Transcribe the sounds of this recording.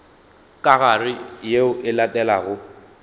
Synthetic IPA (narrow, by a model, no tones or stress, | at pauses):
kʼaɣarɪjeʊʔɪlatʼɛlaɣʊ